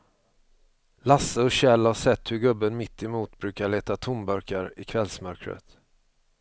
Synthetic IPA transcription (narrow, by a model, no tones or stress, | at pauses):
lasəɔɕɛlhaʂɛt̪ːhɵɾɡɵbːənmɪt̪ːɪmuːt̪bɾʉ̟ːkaɭeːt̪at̪ʰʊmbœɾkaɾɪkʰvɛlsmœɾkɾə̰t̪